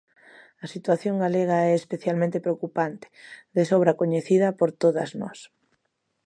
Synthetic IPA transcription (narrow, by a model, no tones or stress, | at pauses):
ɐsit̪waθjoŋɡaleɣ̞aɛespeθjalmẽnt̪epɾeokupant̪e̥ðesɔβɾakoɲeθiðɐpoɾt̪oðɐznɔ̰s